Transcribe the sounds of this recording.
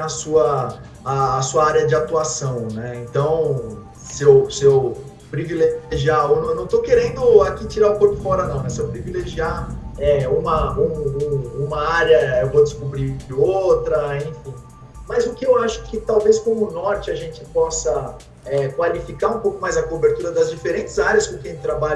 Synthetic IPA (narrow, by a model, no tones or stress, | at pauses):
asuɐ | aːsuɐaɾjɐd͡ʒɪat̪uasɐ̃w̃nɛẽnt̪ɐ̃w̃ | sewsew | pɾivileʒiaonɐ̃nɐ̃w̃t̪owkeɾẽnd̪ʊakit͡ʃiɾaʊkoɾpʊfɔɾɐnɐ̃w̃nɛsewpɾivileʒiaɛũmɐũũũmɐaɾjɐewvowdɪskubɾikɪowt̪ɾɐẽfĩ | mɐjzʊkɪewaʃʊɛkɪt̪awveskõmʊʊnɔɾt͡ʃɪɐʒẽnt͡ʃɪpɔsɐ | ɛkwalifikaũpowkʊmajzɐkobeɾt̪uɾɐd̪ɐzd͡ʒifeɾẽnt͡ʃɪzaɾjɐskõkẽj̃t̪ɾabaʎ